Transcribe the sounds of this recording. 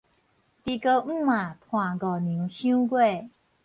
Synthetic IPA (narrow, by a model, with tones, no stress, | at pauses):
t̪i˧kə˧m̩˥˦mã˨˩t̪ʰw̃ã˨˩ɡɔ˨˩nĩ˨˦ɕũ˥˦ɡwe˥˨